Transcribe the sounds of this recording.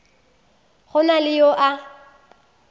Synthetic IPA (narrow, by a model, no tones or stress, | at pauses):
ɣʊnalɪjoʔa